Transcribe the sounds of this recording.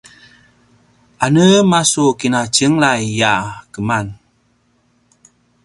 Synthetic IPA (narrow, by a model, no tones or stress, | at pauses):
anəmasukinacəŋlajːakəman